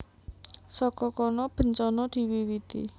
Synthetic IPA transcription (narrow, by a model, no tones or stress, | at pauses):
sɔkɔkɔnɔb̥ə̤nt͡ʃɔnɔd̪̥i̤wiwit̪ḭ